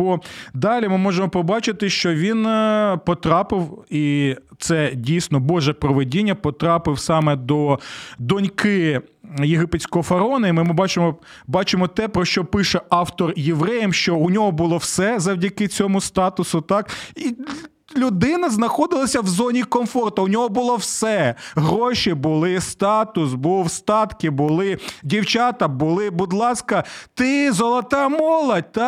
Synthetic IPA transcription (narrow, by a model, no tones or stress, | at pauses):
ɔd̪ɑlʲimɪmɔʒemɔpɔbɑt͡ʃɪt̪ɪʃt͡ʃɔʋʲinpɔt̪ɾɑpɪwit̪sɛdʲijsʲnɔbɔʒɛpɾɔʋedʲinʲːɐpɔt̪ɾɑpɪwsɑmɛd̪ɔd̪ɔnʲkɪ | jeɦɪpetʲsʲkɔɦɔfɐɾɔnɐimɪmɪbɑt͡ʃɪmɔ | bɑt͡ʃɪmɔt̪ɛpɾɔʃt͡ʃɔpɪʃɛɑwt̪ɔrjeʋɾɛjɛmʃt͡ʃɔʊnʲɔɦɔbʊlˠɔwsɛzɐwdʲɐkɪt͡sʲɔmʊst̪ɑt̪ʊsʊt̪ɑki | lʲʊd̪ɪnɐznɐxɔd̪ɪlˠɐsʲɐwzɔnʲikɔmfɔrt̪ɐʊnʲɔɦɔbʊlˠɔwsɛɦɾɔʃibʊlˠɪst̪ɑt̪ʊsbuwst̪ɑt̪kɪbʊlˠɪdʲiwt͡ʃɑt̪ɐbʊlˠɪbʊd̪lˠɑskɐt̪ɪzɔlˠɐt̪ɑmɔlˠɐd̚ʲt̪ɑ